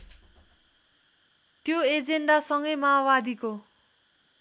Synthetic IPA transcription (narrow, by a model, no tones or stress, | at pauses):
t̪joed͡zeɳɖasʌŋɡʌjmawad̪iko